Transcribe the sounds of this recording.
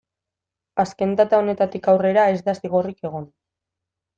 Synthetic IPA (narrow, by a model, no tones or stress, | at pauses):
aske̞nd̪at̪ao̞ne̞t̪at̪ikawre̞ɾae̞zd̪asiɣ̞o̞rike̞ɣ̞o̞n